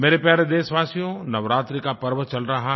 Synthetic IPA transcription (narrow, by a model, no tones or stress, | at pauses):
meːɾepaːɾed̪eːsʋaːsijõnɐʋɾaːt̪ɾikapɐɾʋət͡ʃɐlɾɐɦa